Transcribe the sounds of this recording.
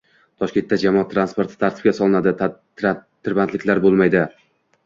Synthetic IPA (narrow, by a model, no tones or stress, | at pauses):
t̪ʰɒʃkʲe̞nt̪ːad͡ʒamɒat̪ʰːɾanspo̞ɾt̪ʰɪ̥t̪ʰaɾt̪ʰɪp̚kʲasɒlˠɪnad̪ɪ | t̪ʰːɪɾbant̪lɪkʲlaɾbolˠmajd̪ɪ